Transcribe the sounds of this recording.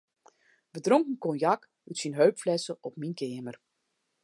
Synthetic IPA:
bədrɔŋkən̩kɔnjɑk | utsinɦøɥpflɛsəʔɔpminkʰɪːəmər

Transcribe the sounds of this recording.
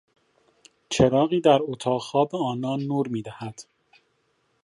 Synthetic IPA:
t͡ʃʰeɾɒːɣiːd̪æɾot̪ʰɒːɣxɒːbeɒːnɒːnːuːɾmiːd̪æhæd̪̥

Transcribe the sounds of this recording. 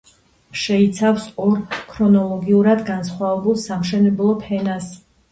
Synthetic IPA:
ʃɛit̪sʰafsʼɔɾkʰɾɔnɔlˠɔɡiuɾad̪ɡansχwavɛbulˠsamʃɛnɛblˠɔpʰɛnas

